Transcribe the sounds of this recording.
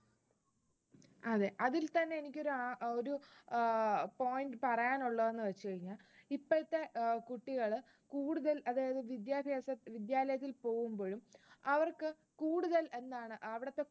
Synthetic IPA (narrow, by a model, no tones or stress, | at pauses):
ɐðe̞ʔɐðilt̪ɐnːe̞enikʲːo̞ɾuaoɾu | po̞ːjindɨpɐrɐjaːnuɭːɐðe̞nːɨʋɐt͡ɕːukɐɻiŋːaɭipːɐɻt̪ːe̞kuʈːiɣɐɭ | kuːɽuðɐlɐðaːjɐðɨʋid̪jaːbʱjɐsɐʋid̪jaːlɐjɐt̪̬ːilpo̞ːɣumboːɻumɐʋɐrkɨ | kuːɽuðɐle̞nd̪ːaːɳɨɐʋiɽɐt̪ːe̞